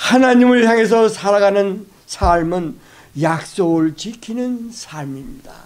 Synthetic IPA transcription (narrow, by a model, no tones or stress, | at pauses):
hanaɲimɯɭçjaŋe̞s̬ʰʌsʰaɾaɡanɯn | sʰaɭmɯn | jak̚s͈oɡɯɭt͡ɕikʰinɯnsʰaɭmiɲida̰